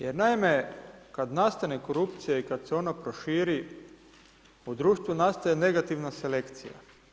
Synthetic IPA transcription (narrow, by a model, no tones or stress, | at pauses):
jeɾnaime̞kad̪nast̪aneko̞ɾupt̪sijaikad̪seo̞napɾo̞ʃiːɾi | ud̪ɾuːʃt̪ʋunast̪ajene̞ɡat̪iʋnase̞le̞kt̪sḭja̰